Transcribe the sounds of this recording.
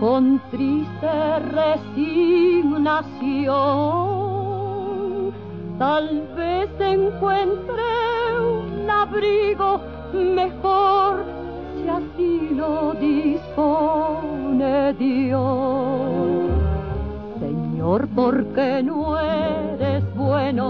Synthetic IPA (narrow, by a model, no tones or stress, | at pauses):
kont̪ɾist̪eresiɡnasjo | t̪alβeseŋkwent̪ɾeunaβɾiɣo | mexoɾ | sjasinoðispo | neðjo | sḛɲoɾpoɾkenoeɾezbweno